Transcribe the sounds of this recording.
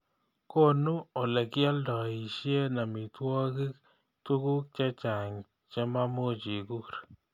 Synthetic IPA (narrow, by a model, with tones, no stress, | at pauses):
ko˦nu˦o˨lɛ˨ki˦a˦ldɔ˨i˨ʃje˦na˨mi˨t̪wɔ˦ki˦k̚ | t̪u˦ku˦k̚t͡ʃa˦t͡ʃa˨ŋ | t͡ʃa˦ma˦mo˦t͡ʃi˨ku˦ɾ